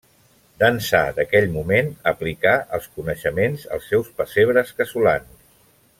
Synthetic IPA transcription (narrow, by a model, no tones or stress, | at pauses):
d̪ənsa̰d̪əkɛʎmumenəplikaʔəlˠskunəʃəmenzə̰lˠsːɛwspəseβɾəskəsulans